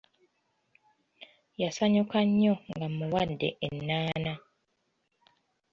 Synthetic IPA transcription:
jasaɲukaɲːoŋɡammuwadːḛʔenːaːna

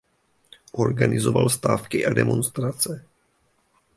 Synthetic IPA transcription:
ʔo̞ɾɡanɪzovalst̪aːfkɪʔadɛ̰mo̞nst̪ɾat͡sɛ

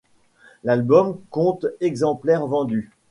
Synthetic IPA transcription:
lalbɔmkɔ̃t̪ɛɡzɑ̃plɛʁvɑ̃d̪y

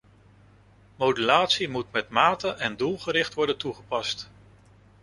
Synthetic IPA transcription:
mowdylaːtsimutmɛtmaːtəʔɛndulˠχəɾɪχtʋɔɹdəntuχəpɑst

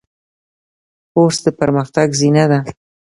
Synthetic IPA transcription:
poɾsd̪əpəɾməxt̪aɡzinad̪a

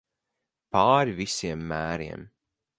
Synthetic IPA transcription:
paːɾivisiɛmːæːɾiɛm

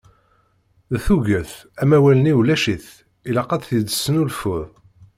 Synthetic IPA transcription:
ðθuʝəθæmæwæləniwlæʃiθ | ilɑqːɑt̪θjədə̥sːənulfʊðˤ

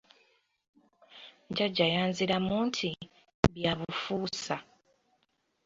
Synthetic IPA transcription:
ɲɟaɟːajaːnziɾamuːntʰi | βjaβufuːsa

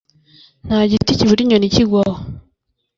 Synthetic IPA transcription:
n̥haɟiiticiβuɾiɲoniciɡwa

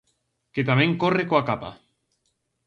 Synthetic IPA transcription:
ket̪amẽŋkorekoakapa̰

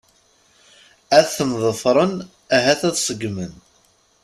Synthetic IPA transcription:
æθθəmðˤəfɾˤən | æɦæθæðsˤəɡmən

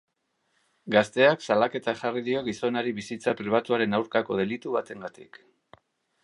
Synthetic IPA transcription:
ɡast̪e̞aksalake̞t̪aʝariðio̞ɣiso̞naɾiβisit͡sapɾiβ̞at̪uaɾe̞nawɾkako̞ð̞e̞lit̪uβat̪e̞ŋɡat̪ḭk

